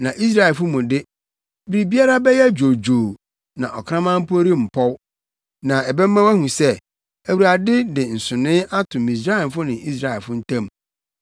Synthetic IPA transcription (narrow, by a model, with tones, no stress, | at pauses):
nã˨ʔi˦s̬ɾa˦ɛ˨lfʊ˦mũ˨dɪ˦ | bɪ˦ɾi˨bi˦a˦ɾa˦bɛ˦jɛ˦d͡ʑo˨d͡ʑoː˨ | nã̰˨ʔɔ˨kʰã˦mã˦m̩˦pʰo˦ɾi˦m̩˨pʰɔ˦w | nã˨ɛ˨bɛ˦mː˦ã˦wæ˦hũ˨sɛ˦ | æ˨wu˨ɾa˨dɪ˦dɪ˨n̩˨sʊ̃˨nɪ̃˦ʔa˦tʰʊ̃˨mĩ˨s̬ɾa˦ɛ˨n˨fʊ˦nɪ̃˨i˦s̬ɾa˨ɛ˨lfʊ˦n̩˦tʰã˦m